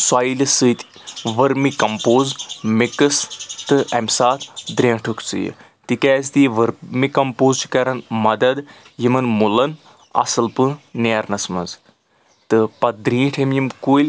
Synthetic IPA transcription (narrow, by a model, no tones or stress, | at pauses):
swaːilʲisɨːt̪ʲʋɐɾmikɐmpoːzmikɨst̪ɨʔɐmʲsaːt̪ʰd̪ɾʲẽːʈʰɨkt͡sɨ̰jḭ | t̪ikɛːzt̪iʋɨɾmikɐmpoːzt͡ʃi̥kɐɾɐnmɐd̪ɐd̪ | jimɨnmulɐn | ɐ̰sɨlpɨneːɾnɐsmɐ̰z | t̪ɨpɐt̪̚d̪ɾĩːʈʰɐmjimkuːlʲ